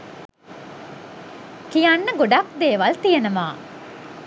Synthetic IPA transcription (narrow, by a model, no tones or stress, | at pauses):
kijanːəɡoɖak̚d̪eːʋɐlt̪ijenɐmaː